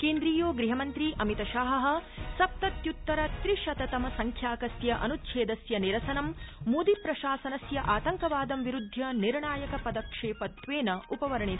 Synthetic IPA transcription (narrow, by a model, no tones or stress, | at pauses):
keːnd̪ɾiːjoːɡɾiɦɐmɐnt̪ɾiʔɐmit̪ɐʃaːɦɐɦɐ̆sɐp̚t̪ɐt̪jut̪ːɐɾɐt̪ɾiʂɐt̪ɐt̪ɐmɐsɐŋkʰjaːkɐsjɐʔɐ̰nut̪ːʃʰeːd̪ɐsjɐniɾɐsɐnɐmmuːd̪ipɾɐʃaːsɐnɐsjɐʔaːt̪ɐŋkɐʋaːd̪ɐmʋiɾud̪ʱːjɐniɾɳaːjɐkɐpɐd̪ɐkʂeːpɐt̪ʋeːnɐupɐʋɐɾɐɳi